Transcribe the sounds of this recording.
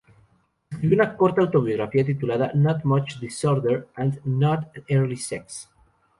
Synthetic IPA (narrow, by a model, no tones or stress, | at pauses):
unakɔɾt̪awt̪oβioɣɾafiat̪̬it̪ulaðanɔt̪mat͡ʃd̪isɔɾd̪eɾãnd̪nɔt̪ɛɾlisɛks